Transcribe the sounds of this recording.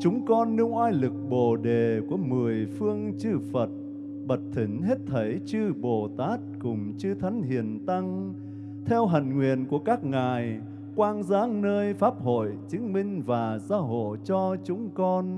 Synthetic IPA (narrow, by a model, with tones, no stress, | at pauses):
t͡ɕʊ˨˦ŋ͡mkɔ˧nːɨ˧əŋʔaː˧jlɨ˨˩k̚ɓo˨˩ɗe˨˩ku˧˩əmɨ˨˩əjfɨ˧əŋt͡ɕɨ˧fə˨˩t̚ | ɓə˨˩t̚t̪ʰï˨˩ŋ̟ɦe˦˥t̚t̪ʰə˨˦jt͡ɕɨ˧ɓo˨˩t̪aː˦˥t̚kʊ˨˩ŋ͡mt͡ɕɨ˧t̪ʰa˨˦ŋ̟hḭ˨˧˨ənt̪a˧ŋ | t̪ʰɛ˧wɦa˨˩jŋ̟ŋwḭ˨ənku˧˩əkaː˦˥k̚ŋaː˨˩j | kwaː˧ŋzaː˨˦˥ŋnəː˧jfaː˦˥p̚ho̰˧˨jt͡ɕɨ˨˦ŋ̟mï˧ŋ̟vaː˨˩zaː˨˧˦ɦo̰˧˨jt͡ɕɔ˧t͡ɕʊ˨˦ŋ͡mkɔ˧n